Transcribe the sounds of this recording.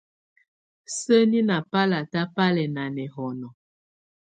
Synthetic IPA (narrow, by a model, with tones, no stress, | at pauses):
sə˦ni˦na˨pa˦la˨ta˦pa˦lɛ˨na˨nɛ˨ɦɔ˨nɔ˨